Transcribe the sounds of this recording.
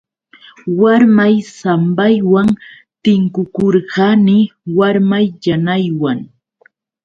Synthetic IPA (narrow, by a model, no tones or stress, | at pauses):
waɾmajsambajwaŋ | t̪ɪŋkʊkoɾɢɑmɪwaɾmajʎanajwaŋ